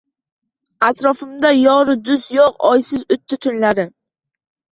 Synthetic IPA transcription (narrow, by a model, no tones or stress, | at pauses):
at̪ɾɒfɪmd̪ajɒɾɪd̪ʊsjoqɒjsɪzʊt̪ʰːɪt̪ʰʊnlaɾɪ